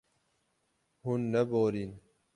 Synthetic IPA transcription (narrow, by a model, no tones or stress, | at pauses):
hunːɐboːɾin